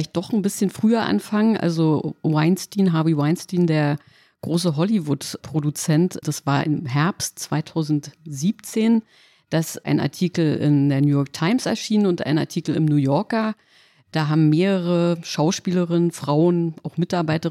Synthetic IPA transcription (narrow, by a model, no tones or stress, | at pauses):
laɪçt̚d̥ɔχn̩bɪsçənfʁ̥yːɐʔa̰nfaŋənʔa̰lzowaɪnstiːnɦaːbiwaɪnstiːndeːɐ | ɡ̥ʁoːs̬əɦɔlivʊtpʁ̥odut͡sɛntd̥asv̥aːɐʔɪmɦɛɐpstt͡sv̥aɪtʰaʊzn̩tz̥iːp̚t͡seːn | d̥asʔa̰ɪnʔa̰ɐtʰiːkl̩ɪ̰ndeːɐnjuːjɔːɐk̚tʰaɪmsɛ̰ɐʃiːnənʊntʔa̰ɪna̰ɐtʰiːkl̩ɪ̰mnuːjɔɐka | d̥aːɦaːbm̩mːeːʁəʁəʃaʊʃpiːləʁɪnənfʁ̥aʊənaʊxmɪtaɐbaɪtə